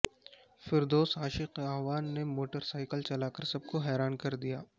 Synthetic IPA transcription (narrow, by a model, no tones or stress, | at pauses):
fɪɾd̪oːsɦaːʃɪqaːʋaːnːemoːʈəɾsaːɪkəlt͡ʃɐlaːkəɾsɐb̚koɦɛːɾaːnkɐɾd̪ijaː